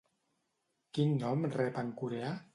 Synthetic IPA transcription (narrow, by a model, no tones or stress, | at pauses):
kinːɔmrɛpaŋkuɾea